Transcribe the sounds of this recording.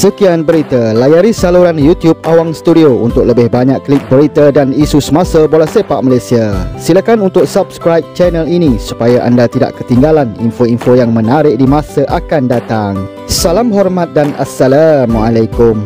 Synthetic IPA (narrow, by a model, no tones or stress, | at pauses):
səkianbəɾit̪alajaɾisaluɾanjut̪jub̚awaŋsə̥t̪udiount̪ʊk̚ləbɪhbaɲaʔkːlik̚bəɾit̪adanisusəmãsabolɛhsepaʔmalajsiasiləkanunt̪ʊk̚sabskɾajp̚t͡ʃɛnəlinisu̥pajaʔa̰ndat̪ida̰ʔkət̪iŋɡalanḭnfoinfojaŋmə̃naɾɪk̚dimãsaʔakandat̪aŋ | salamɦɔrmãt̪̚dana̰sːalamalajkʊm